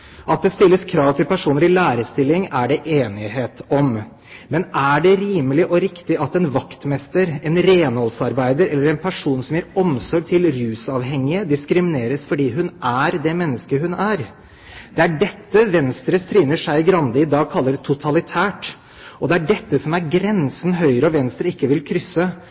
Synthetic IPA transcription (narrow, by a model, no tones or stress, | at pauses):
ʔɑt̪̚d̪ɛst̪ɪlːəskʰɾɑːʋt̪ʰɪlpʰæʂuːnəɾɪlæːɾəst̪ɪlːɪŋæɖɛʔeːnɪɦeːt̪ɔm | mɛnʔæɖɛɾiːməlɪʔɔɾɪkt̪ɪʔɑt̪ɛnʋɑkt̪mɛst̪əɾɛnɾeːnhɔlsɑɾbæɪd̪əɾɛlːəɾɛnpʰæʂuːnsɔmjæɾɔmsɔɾt̪ʰɪlɾʉːsɑːʋɦɛŋːɪəd̪ɪskɾɪmɪneːɾəsfɔɖiːɦʉnʔæɾd̪ɛmɛnːəskəɦʉnæɾ | d̪̥ɛæɖɛt̪ːəʋɛnst̪ɾəst̪ɾiːnəʂæɪɡɾɑnd̪ɪɪd̪ɑːɡ̚kʰɑlːəɾt̪ʰʊt̪ʰɑlɪt̪ʰæːʈ | ʔɔd̪ɛæɖɛt̪ːəsɔmæɾɡɾɛnsn̩ɦœʏɾəɔʋɛnst̪ɾəɪkːəʋɪlkʰɾʏsːə